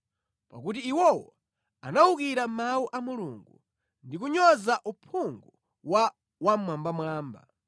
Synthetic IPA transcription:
pakutiːwɔwɔ | anawukiɾam̩mawuʔamuluŋɡu | ndikuɲɔzaʔupʰuŋɡu | wa | wamwambamwaːmba̰

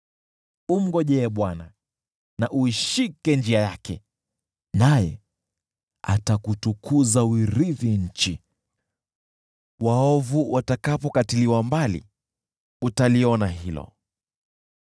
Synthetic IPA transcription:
um̩ɡɔʄɛɓwana | naʔuiʃikɛnd͡ʒiajakɛ̰ | najɛ̰ | a̰takutukʰuzawiɾiviɲ̩t͡ʃi | waɔvuwʔatakapɔkatiliwambalḭ | utaliɔnaɦilɔ̰

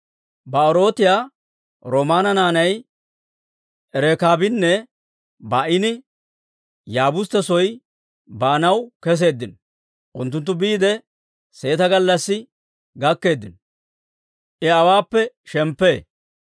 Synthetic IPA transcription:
bɐɔɾo̞ːt̪ɪjaː | ɾoːmaːnɐnaːnɐj | ʔɛɾɛkaːbɪnːɛ | baʔɪnɪ | jaːbʊst̪ɛsɔj | baːnɐwkɛs̬e̞ːd̪ːɪnɔ | ʔʊnt̪ːʊnt̪̬ːʊbiːd̪ɛ | se̞ːt̪ɐɡɐlːɐsːɪ | ɡɐkːe̞ːd̪ːɪnɔ | ʔɪɐwaːpːɛ | ʃɛmpːeː

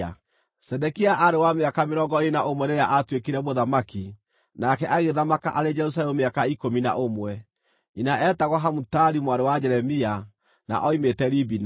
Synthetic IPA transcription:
sɛdɛkiaʔaɾewameakameɾɔŋɡɔenaʔomwɛnejaʔatwekiɾɛmoðamaki | nakɛʔaɣeðamaka̰ʔaɾed͡ʒɛɾus̬alɛmumeakaikomina̰ʔomwɛ | inaɛtaɣwaɦamutaɾimwaɾewad͡ʒɛɾɛmia | na̰ʔɔimetɛɾibin

